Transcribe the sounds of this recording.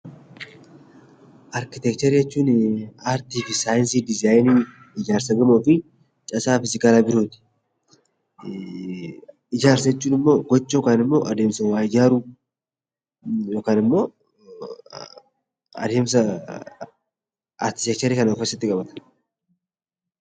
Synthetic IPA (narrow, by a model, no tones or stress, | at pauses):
ʔɐɾkɪt̪ɛk̚t̪ɐɾijɛt͡ʃːuːnaːɾt̪iːfɪsaːjɪnsid̪ɪzaːjni | ɪd͡ʒaːɾsɐɡɐmoːfɪ | t͡ʃʼɐsaːfɪzɪkaːlaːbɪɾoːt̪ɪ̥ | ɪd͡ʒaːɾsɐɛt͡ʃːuːnɪmːo̞ːɡɔt͡ʃːoːkaːnɪmːo̞ːʔɐd̪e̞ːmsɐwaːɪd͡ʒaːɾu | jo̞ːkaːnɪmːo̞ː | ɐ̰d̪e̞ːms̬ɐ | ɐ̰ɾkɪ̥t̪ɛk̚t͡ʃ̪ɐɾikɐnɐɔfɛsːɐt̪ːɪkʼɐbɐt̪ɐ̥